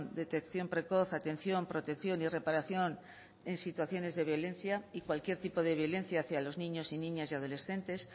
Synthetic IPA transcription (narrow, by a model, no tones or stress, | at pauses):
nd̪e̞t̪ekθjo̞mpɾe̞ko̞θat̪e̞n̟θjo̞mpɾo̞t̪ekθjo̞nire̞paɾaθjon | e̞nsit̪waθjo̞ne̞zðe̞βjo̞lẽ̞nθjaikwalkje̞ɾt̪ipo̞ð̞e̞βjo̞le̞nθjaːθjalo̞znĩɲo̞sinĩɲasjað̞o̞le̞sθe̞nt̪e̞s